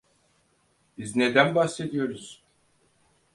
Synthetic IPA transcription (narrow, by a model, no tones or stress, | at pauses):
bizne̞d̪ænbahse̞d̪ijo̞ɾuz̥